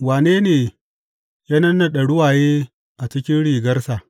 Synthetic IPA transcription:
waː˨neː˦neː˨ | jaː˦nɐ˦nːa˨ɗɐ˨ɽʊ˦waː˨jeː˦ | ʔa˨t͡ʃɪ˦kʲɪ˦nɽiː˨ɡɐ˦rsa˨

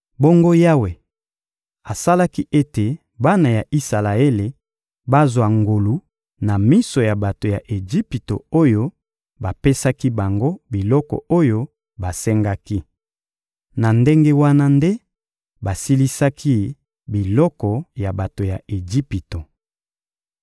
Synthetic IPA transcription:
bo˦ŋɡo˦ja˦we˨ | a˨sa˦la˦ki˦ʔe˦te˨ | ba˦na˨ja˨ʔi˦sa˨la˨e˦le˨ | ba˦zwa˨ŋɡo˨lu˨ | na˨mi˦so˨ja˨ba˨to˨ja˨ʔe˨d͡ʒi˦pi˨to̰˨o˦jo˦ | ba˨pe˦sa˦ki˦ba˨ŋɡo˦bi˨lɔ˦kɔ̰˨o˦jo˦ | ba˨sɛ˦ŋɡa˦ki˦ | na˨nde˦ŋɡe˦wa˦na˦nde˦ | ba˨si˦li˦sa˦kʰi˦ | bi˨lɔ˦kɔ˨ja˨ba˨to˨ja˨e˨d͡ʒi˦pi˨to˨

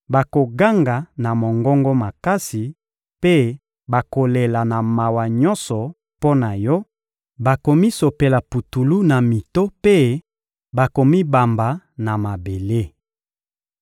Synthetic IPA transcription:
ba˨ko˨ɡa˦ŋɡa˨na˨mo˨ŋɡɔ˦ŋɡɔ˦ma˨ka˦si˨ | pe˦ | ba˨ko˨le˨la˨na˨ma˨wa˨ɲɔ˦nsɔ˨ | po˦na˨jɔ˦ | ba˨ko˨mi˦so˨pe˨la˨pu˨tu˨lu˦na˨mi˨to˦pe˦ | ba˨ko˨mi˦ba˨mba˨na˨ma˨be˨le˦

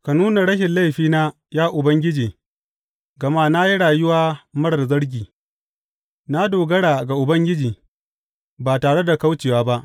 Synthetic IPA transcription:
ka˨nuː˦na˨ɽɐ˦ʃɪ˨nla˦jɸiː˦naː˦ | jaː˦ʔʊ˨bɐ˦ŋɡʲɪ˦d͡ʒiː˨ | ɡɐ˨ma˦na˦ji˦ɽaː˨jʊ˦waː˦mɐ˦ɽɐ˨rzɐ˦ɽɡʲiː˨ | na˦doː˨ɡɐ˦ɽaː˨ɡa˨ʔʊ˨bɐ˦ŋɡʲɪ˦d͡ʒiː˨ | baː˨taː˨ɽe˦da˨ka˦wt͡ʃeː˨waː˦ba˦ʔ

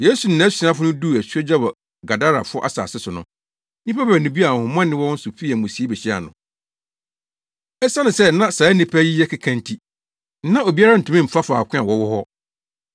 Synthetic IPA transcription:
je˦su˨n̩˨nã˨˦sĩ˨˦ã˦fʊ˦nʊ̃˦du˦˨æ˨su˦ɛ˦d͡ʑa˦wɔ˨ | ɡa˨da˦ɾa˨fʊ˦ɔ˦ʔa̰˦sa̰ː˨sɪ˦sʊ˨nʊ̃˦ | nĩ˦pa˦bæ˨nʊ̃˨bi˦a˨hʊ̃˨mã˦nɪ̃˦wɔ˦n̩˦sʊ˨fi˦æ˨mʊ̃˨si˨˦e˦bɛ˨ɕi˦a̰˨nʊ̰̃˨ | ɛ˦sa˦nʊ̃˨sɛ˦nã˦sa˨˦nĩ˦pʰæ˦ji˦jɛ˦kʰa˨kʰã˦ntʰi˦ | nã˦o˨bi˦a˦ɾa˦n̩˨tʰũ˨˦mĩ˦m̩˨fa˦faː˨kʷʰɪ̃˦a˨wɔ˨wɔ˦hɔ˦

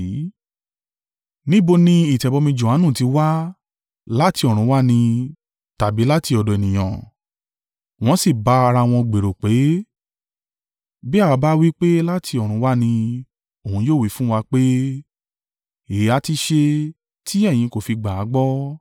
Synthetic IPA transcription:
nĩ˦bo˧nĩ˧i˦˨tɛ˨bɔ˨˧mĩ˧d͡ʒo˨ha˨˦nũ˦˨ti˧wa˦ | la˦ti˧ɔ˨ɾ̃ũ˨˦wa˦nĩ˧ | ta˨bi˨˦la˦ti˧ɔ˧dɔ˨e˨nĩ˨j̃ã̰˨ | w̃ɔ̃˦si˦˨ba˨˦a˧ɾa˧w̃ɔ̃˧ɡ͡be˨ɾo˨k͡pe˨˦ | bi˦a˦˨wa˧ba˦wi˦k͡pe˦la˦tʰi˧ɔ˨ɾ̃ũ˨˦wa˦nĩ˧ | o˨ũ˧joː˦˨wi˨˦fũ˦wa˧k͡pe˦ | e˨˦a˧ti˧ʃe˧ | ti˦ɛ˦˨j̃ĩ˧ko˨fi˧ɡ͡ba˨a˨˦ɡ͡bɔ˦

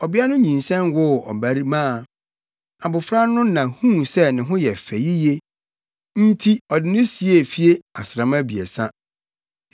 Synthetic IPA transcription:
ɔ˨bi˦a˦nʊ̃˦ɲĩ˨nsɛ̃˦nwʊ˦˨ɔ̰˨bæ˨˦ɾi˦mã˦˨ | a˨bʊ˨fɾa˦nʊ̃˦nã˨hũ˦sɛ˦nɪ̃˨ɦʊ̃˦jɛ˨fɛ˨ji˦je˦ | n̩˦tʰi˦ɔ˨dɪ˨nʊ̃˦si˨e˦˨fi˦e˦a˨sɾã˨mã˦bi˨ḛ˨sã˦

